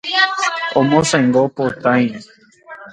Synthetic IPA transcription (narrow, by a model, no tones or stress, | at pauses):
õmõsãjŋɡopot̪ãj̃